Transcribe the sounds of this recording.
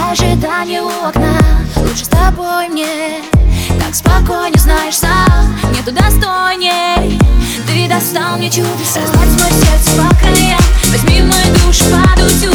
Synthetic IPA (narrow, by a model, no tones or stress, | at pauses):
ʐɨd̪anʲɪoknəlˠutʂɨ̥st̪ɐbojmnʲe | k̪akspɐkojnʲəznajɪʂsamnʲɛt̪ʊd̪ɐst̪ojnʲe | t̪ɨd̪ɐst̪alˠmnʲɪt͡ɕud̪sɐzlatʲt̪vojsʲert̪sɨ̥pɐkɾɨjvʲɐzʲmʲimojʊd̪uʂɨ̥pad̪usʲu